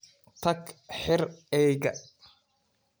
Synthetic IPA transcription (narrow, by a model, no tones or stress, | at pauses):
t̪ʰɐkħɪrɛːɡɐ